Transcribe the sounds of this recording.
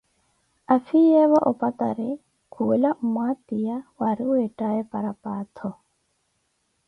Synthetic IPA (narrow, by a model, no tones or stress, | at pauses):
afijɛβaʔɔpat̪aɾe | kʰuelamwat̪ijawaɾieʈaepaɾapaːt̪ʰɔ